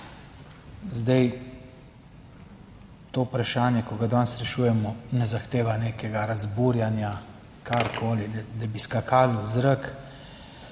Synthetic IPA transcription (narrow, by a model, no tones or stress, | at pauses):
zd̪ɛj | t̪oːpɾaʃaːnjɛkɔɡad̪ɔnsɾɛʃuːjɛmɔnɛzaxt̪eːʋaneːkɛɡaɾazbuɾjanja | kʰaɾkʰoːlid̪abiskakʰaːlɔzɾək